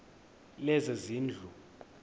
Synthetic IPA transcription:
lɛzɛziːnd͡ɮʱu

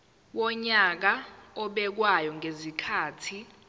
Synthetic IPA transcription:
wɔɲak̬aɔɓɛk̬wajɔŋʱezikʰaːtʰi

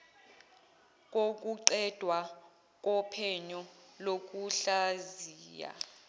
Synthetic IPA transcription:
k̬ʼok̬ʼuǀɛd̥ʱwa | k̬ʼɔpʰɛɲɔlok̬ʼuɬaziːja̰

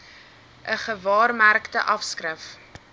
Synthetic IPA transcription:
ʔəχəvɑːrmærktəʔɐfskrəf

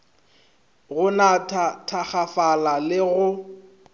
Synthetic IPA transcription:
ɣʊnatʰatʰak͡xafalalɪɣʊ

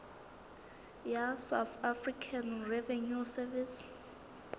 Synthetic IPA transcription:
jasawθafrikʰanrɛvɛnusɛvis

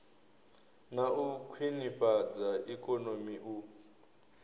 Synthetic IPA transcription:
naukʰwiniɸad͡zaikʼɔnomiʔu

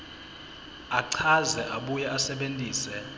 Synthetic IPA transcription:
aǀʰazɛʔaɓujɛʔasɛɓentʼiːsɛ

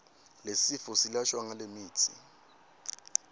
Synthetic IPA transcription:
lesifɔsilaʃwaŋalemiːt͡sʰḭ

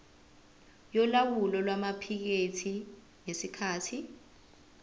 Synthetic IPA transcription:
jɔlawulɔlwamapʰik̬etʰi | ŋesikʰaːtʰi

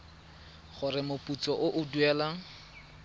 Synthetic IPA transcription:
χʊrɪmʊpʼut͡sʼɔʔʊʔʊduɛːla

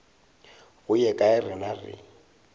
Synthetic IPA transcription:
ɣʊjɛkʼaɪrɪnarɪ̰

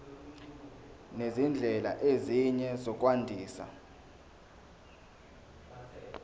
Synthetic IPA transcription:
nezind͡ɮʱɛla̰ʔeziɲɛzɔk̬ʼwandʱiːsa̰

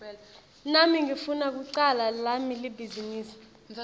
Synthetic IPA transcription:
namiŋifunak̬uǀalalamilibʱiziniːsi̥

